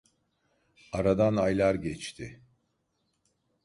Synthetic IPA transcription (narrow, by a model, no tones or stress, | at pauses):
aɾad̪anajlʲˠaɾɟɛt͡ʃt̪ʰɪ